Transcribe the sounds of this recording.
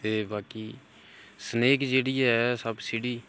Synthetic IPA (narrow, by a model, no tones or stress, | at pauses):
t̪eːbaːkiː | səneːkd͡ʒeːɽiːɛːsəbsɪɽiː